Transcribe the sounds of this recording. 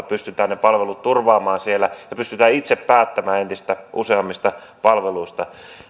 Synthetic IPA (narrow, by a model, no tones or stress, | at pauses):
pyst̪yt̪æːnepɑlʋelut̪t̪urʋɑːmɑːnsielːæjɑpyst̪yt̪æːit̪seppæːt̪ːæmæːent̪ist̪æʔṵseɑmːist̪ɑpɑlʋeluist̪ɑ